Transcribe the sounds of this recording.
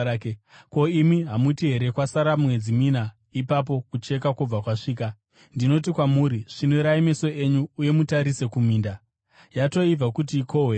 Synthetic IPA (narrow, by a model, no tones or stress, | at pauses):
ko̞imiɦamutiɦe̞ɾekwasaɾamwe̞d͡zimina | ipap̬o̞kut͡ʃe̞k̬akub͡vakwaʂiːk̬a | ndino̞t̬ikwamuːɾiʐ̥inoɾaime̞so̞e̞ɲuːje̞mutaɾise̞kumiːnda | jato̞ib͡vakut̬ikʰo̞we